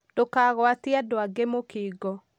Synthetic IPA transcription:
d̥okaɣwatiadoaɡemokiːɡɔ

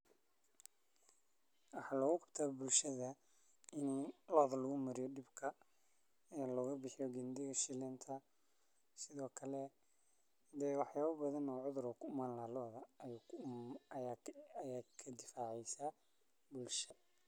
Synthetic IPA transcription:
wɑħɑlɔːɣʊqɑ̥bt̪ʰaːbʊlʃɐðɐ | ɪnlɔðɐlɐɣʊmɐɾɪjɔɖɪbkʰɐ | ɛːlɔːɣɐbɪħɪjɔɡɛnd̪ɪɣɐʃɪlɛnt̪ʰɐ | sɪðɔːkʰɐlɛ | d̪ɛwɑħjaːβɐbɐðɐnɔːʕʊðʊɾɔkʰʊʊmaːnlɐhɐlɔðɐ | jaːkʰɐd̪ɪfaːʕɛjsaː | bʊlʃɐ

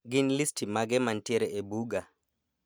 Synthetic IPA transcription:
ɡɪnlistʰimaɡɛmantjeɾɛebuɡa

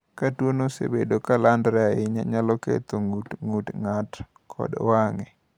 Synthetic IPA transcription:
katwonosḛbedokalandɾɛaɪɲa̰ɲalɔkḛt̪oŋutŋutŋat | kʰɔ̰dwaŋɛ

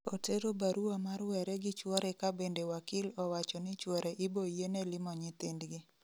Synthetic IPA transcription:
oteɾobaɾuamarwɛɾɛɡɪt͡ʃwɔɾʔɛkabendewakɪlɔwat͡ʃɔnɪt͡ʃwɔɾeʔɪbojenelɪmɔɲɪt̪indɡɪ

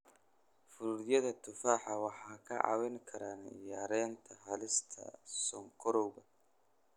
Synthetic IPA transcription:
fʊɾuɾjɐðɐt̪ʰʊfaːħɑwɑħɑːkʰɐʕɑ̰wɛŋkʰɐɾaːnɪ̰jaːɾɛːnt̪ʰɐɦɐlɪst̪ʰɐ̰sɔŋkʰɔɾɔwbɐ

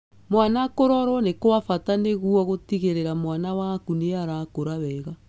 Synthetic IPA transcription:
mwanakoɾɔɾwɔnekowafataneɣuɔɣotiɣeɾeɾamwanawakuneaɾakoɾaβɛːɣa

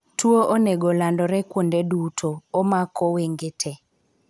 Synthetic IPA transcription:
tʰuoʔoneɡolandɔɾɛkwondedutʰoːmakʰoweŋɡetʰɛ

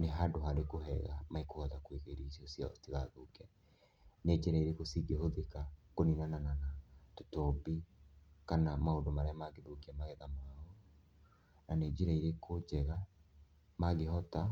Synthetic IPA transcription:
neɦadoɦaɾekoɦɛɣa̰maikohɔtakweɣeɾisiosia̰ɔ̰tiðaðokɛ | ned͡ʒeɾaiɾekosiɡehoðekakoninanananatotɔbikanamaondomaɾaamaɡeðokiamaɣɛðamao | naneːd͡ʒeɾaiɾekʰod͡ʒɛɣa | maɣeɦɔta

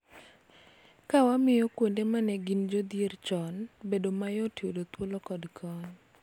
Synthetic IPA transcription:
kawamɪjɔkwondemanɛɡind͡ʒod̪jert͡ʃɔnbedomajotjodot̪wolokɔdkʰɔɲ

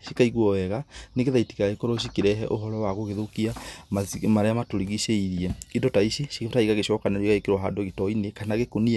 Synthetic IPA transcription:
ʃi̥kaiɣwɔɛɣaneɣeðaiti̥kaɣekoɾoʃ̬ikiɾɛɦɛʔoɦɔɾɔwaɣoɣeðokiamamaɾeamatoɾiɣiʃeiɾiɛidɔtaiɕiʃiktaiɣaɣeʃɔkanɛɾwiɣaekeɾwaɦadoɣetɔinekanaɣekonia

